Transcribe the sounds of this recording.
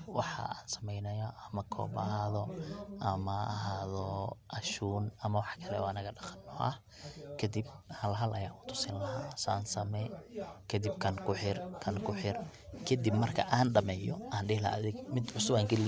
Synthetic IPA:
wɑħɑ̰aːnsɐ̥mɛjnɐjɔɐmɐkʰɔ̰ːbɐɦaːðɔʔɐmɐːɦaːðɔʔɐʃuːnɐmɐwɑħkʰɐlɛɔ̰ɐnɐɣɐɖɑqɐ̥nːɔʔɐ̰h | kʰɐd̪ib̚hɐlɦɐlʔɐjaːʔʊt̪ʰʊ̥sɪnlɐɦa̰ːsa̰ːnsɐmɛkʰɐd̪ib̚kʰɐnkʰʊħɪrkʰɐnkʰʊħɪrkʰɐd̪ibmɐrkʰɐ̰ʔaːnɖɐmɛːjɔʔaːnɖɪhlɐ̰ːðɪɡmɪd̪ʕʊsʊbaːŋkɐli

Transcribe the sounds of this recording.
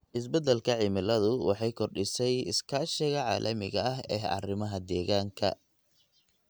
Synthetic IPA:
ʔɪs̬bɛd̪ɛlkʰɐʕɪmɪlɐðʊwɑ̰ħɑjkʰɔrɖɪsɛjɪskʰaːʃɪɣɐʕɑ̰ːlʔɐmɪ̰ɣɐɐɦɛːɦɐ̰rɪmɐɦɐd̪ɛːɣaːŋkʰɐ̰

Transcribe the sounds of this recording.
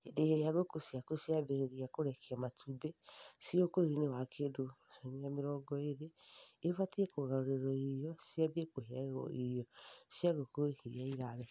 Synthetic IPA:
edeheɾiaɣokosiakosiabeɾeɾiakoɾɛkʰiamatʰubesiokoinewakʰedosomiameɾɔɡɔeɾeːfatiɛkoɣaɾoɾeɾɔijɔsiabekoɦeɔ̰ijɔsiaɣokohiɾiaiɾaɾɛ

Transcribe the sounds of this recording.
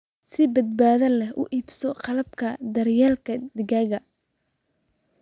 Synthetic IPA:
sɪbɐd̪̚baːðɐlɛɦʔʊ̰ʔiːbsɔqɑlɐb̚kʰɐd̪ɐɾjaːlkʰɐd̪ɪɣɐːɣɐ

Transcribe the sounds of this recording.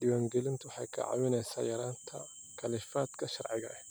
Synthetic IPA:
d̪ɪwaŋɡɛlɪnt̪ʰuwʊħa̰jkʰɐ̰ʕa̰wɪnɛjsa̰jɐɾaːnt̪ʰɐ | kʰɐlɪfaːt̪kʰɐʃɐɾʕɪɣɐ̰ʔɛ

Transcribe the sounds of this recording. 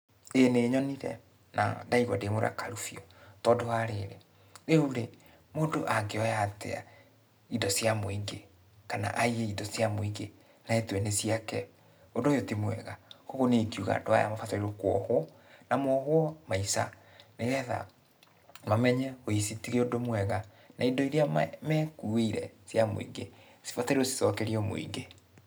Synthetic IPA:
eneɲɔniɾɛ̰ | nʔa̰ndaiɣwa̰demoɾ̰a̰kaɾufiɔtɔdoaɾeɾḛ | ɾeuɾe | moːdoʔaɡeɔjatɛ̰a̰ | idɔsjamoiŋɡe | kana̰ʔaieidɔsjamoiŋɡe | naetwɛnesiakɛ | ondojotimwɛ̰ɣakoɣoneikiuɣa̰ːdoa̰ja̰mafataiɾokwɔhwɔ | namwɔɣwɔmaisa̰ | neɣɛða̰ | mamɛɲɛoisitiɣeodomwɛɣa | naidɔiɾeamɛkueiɾɛ̰sjamo̰ḭŋɡe | si̥fataɾiɾosi̥sɔkɛɾiɔmo̰ḭŋɡe

